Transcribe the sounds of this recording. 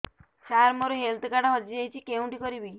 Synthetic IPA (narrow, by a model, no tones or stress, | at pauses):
saɾmoɾuɦelt̪kaɽaɦɔd͡ʒiejt͡ʃʰikeũʈikɔɾibi